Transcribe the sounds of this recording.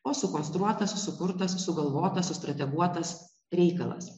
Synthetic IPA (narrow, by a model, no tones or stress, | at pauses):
oːsʊkɔːnst̪ɾuɔt̪ɐssʊkʊɾt̪ɐsːʊɡɐlˠʋoːt̪ɐsʊst̪ɾɐt̪ʲɛɡuɔt̪ɐs | ɾʲɛɪkɐlˠɐ̰s